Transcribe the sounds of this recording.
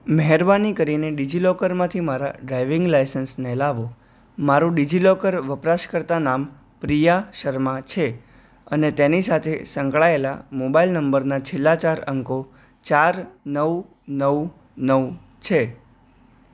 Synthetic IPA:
məɦɛɾbanikəɾineɖid͡ʒilɔkəɾmãt̪ʰimaɾa̰ɖɾajʋɪŋɡlajsənsnɛlaʋo | maɾũɖid͡ʒilɔkəɾʋəpɾaʃkəɾt̪anam | pɾijaʃəɾmat͡ʃʰe | ənet̪enisat̪ʰesə̃ŋkɭaela̰mobailnəmbəɾnat͡ʃʰelːat͡ʃaɾəŋko | t͡ʃaɾnəʋ | nəw | nəʋ | t͡ʃʰe

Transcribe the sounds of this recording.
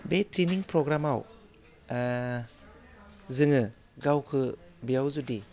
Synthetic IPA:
betiniŋpʰɾoɡɾamaw | zɯŋɯ | ɡawkʰɯ | bijawzudi

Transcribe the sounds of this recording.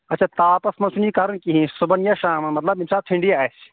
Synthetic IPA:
ɐt͡ʃʰaːt̪aːpɐsmɐ̃nsʰunikaːɾɐnkiɦĩsubɐnjaʃaːmɐmɐt̪lɐbimsaːt̪ʰĩɳɖijaːs

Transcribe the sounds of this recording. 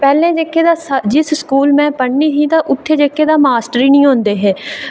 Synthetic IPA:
pɛːlẽːd͡ʒeːkʰːeːd̪aːsəd͡ʒɪsskuːlmɛ̃ːpəɳnĩːt̪ĩːt̪ãːʔʊt̪ʰːeːd͡ʒeːkʰːeːd̪aːmaːsʈɾiːnĩːɦõːnd̪eːɦɛː

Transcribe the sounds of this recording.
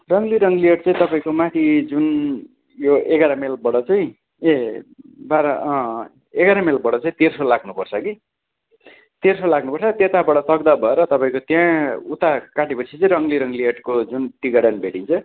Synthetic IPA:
rʌŋliɾʌŋlieʈt͡sʌĩt̪ʌpaĩkomãt̪ʰid͡zun | joeɡaɾamelbʌɽʌt͡sʌĩ | e | baɾʌ | eɡaɾamelbʌɽʌt͡saĩt̪eɾsolaɡnupʌrt͡sʰʌki | t̪ersolaɡnupʌrt͡sʰʌt̪et̪abʌɽʌsʌɡd̪abʱʌeɾʌt̪ʌpaĩkot̪jãut̪akaʈipʌsʰit͡sʌĩɾʌŋliɾʌŋlieʈkod͡zunʈiɡʌɽʌnbʱeʈint͡sʰʌ

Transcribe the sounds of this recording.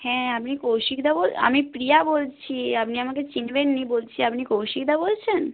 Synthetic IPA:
hɛ̃apnikowʃikd̪ʱabola̰mipɾiabolt͡ɕʰiapniamaket͡ɕinbenːibolt͡ɕʰiapnikowʃik̚d̪ʱabolt͡ɕʰen

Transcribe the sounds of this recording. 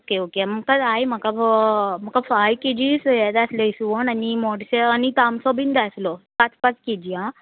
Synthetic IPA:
okeokem̤əkad͡zajm̤əkam̤əkafajked͡ʑisjɛd̪asleisuʋonanimɔɽseanit̪amsɔbind̪aslɔpat͡spat͡sked͡ʑiã

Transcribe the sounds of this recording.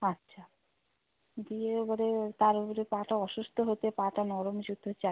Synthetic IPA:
atːʃʰa | d̪ieopoɾet̪aɾopoɾepaʈaɔʃust̪ʰoɦot̪epaʈanɔɾomd͡ʑud̪ʱːot͡ɕa

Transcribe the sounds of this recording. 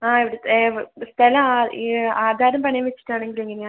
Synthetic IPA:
aːiʋiɽest̪ʰɐlɐmaaːd̪ʱaːɾɐmpɐɳɐjɐmʋet͡ɕːi̥ʈːaːɳeŋɡileŋɡileɲaː

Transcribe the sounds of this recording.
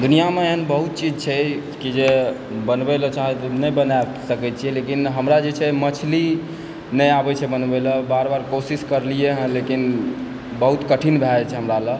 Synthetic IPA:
d̪unijameeɦənbəɦut̪̚t͡ʃid͡ʒt͡ʃʰɛ | kid͡ʒe | bənbɛelɔt͡ʃaɦɛt̪ɔnəjbəna | səkɛt͡ʃʰijɛlekinɦəmɾad͡ʒet͡ʃʰɛmət͡ʃʰli | nəjabɛt͡ʃʰɛbənbɛləbaɾbaɾkosiskəɾlijeɦə̃lekin | bəɦut̪kəʈʰinbʱɛt͡ʃʰɛɦəmɾalə

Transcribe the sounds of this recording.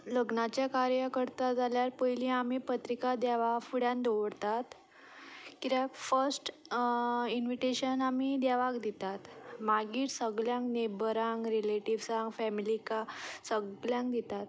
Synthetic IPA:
ləɡnat͡ɕjakaɾjəkəɾt̪ad͡zaljaɾpəjilĩamiːpət̪ɾikad̪aʋafuɽjãnd̪oʋəɽt̪at̪ | kiɾafəɾsʈ | inʋiʈeɕənamid̪aʋakd̪it̪at̪maɡiːʈsəɡljãŋknebəɾaŋɡɾileʈiʋsaŋɡfɛmilikasəɡljãŋk̚d̪it̪at̪

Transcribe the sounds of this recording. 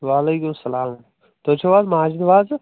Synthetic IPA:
ʋaːleːkʊmsɐlaːm | t̪oːt͡ʃʰoʋaːzmaaːd͡ʒid̪ʋaːz

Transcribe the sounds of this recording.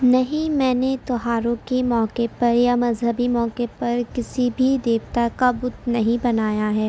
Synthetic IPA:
nɐɦĩmɛ̃ːnet̪ɔɦaːɾõkemɔːkepɐɾjamɐzɦəbimɔːkepɐɾkɪsibʱid̪eːkt̪akabʊt̪nɐɦĩbɐnaːjaɦɛː

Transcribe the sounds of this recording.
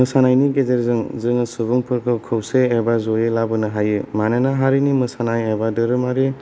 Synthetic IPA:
mɯsanajniɡezeɾzɯŋzɯŋɯsɯbuŋpʰɯɾkʰɯkʰɯwseːbazojelabɯnɯɦajɯmananaɦaɾinimɯsanajebadɯɾɯmaɾi

